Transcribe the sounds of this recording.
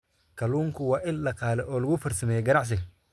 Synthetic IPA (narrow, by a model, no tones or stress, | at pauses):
kʰɐluːŋkʰʊwɑːʔɪllɐqɑːlɛʔɔːlɐɣʊfɐrsɐmɛjɛɡɐnɑʕs̬ɪɡ